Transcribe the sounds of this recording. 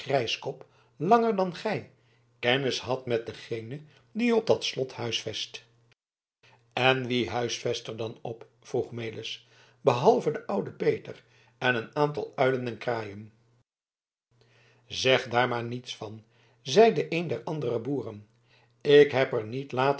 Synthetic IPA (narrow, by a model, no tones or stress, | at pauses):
rɛjskɔp | lɑŋəɹdɑnχɛj | kɛnəshɑtmɛt̚d̪əχejnə | diɔb̚d̪ɑtslɔthœɥsfɛst | ɛnʋiɦœɥsfɛstəɹdɑnɔp | fruχmejlɪs | bəɦɑlˠvədəʔʌwdəpejtər | ɛnənaːntɑ̰lˠœɥlənɛnkraːjəm | zɛχdaːɹmaːɹnitsfɑn | zɛjdəʔejndɛɹʔɑndərəbuːrən | ɪkɦɛpəɹnitlaːt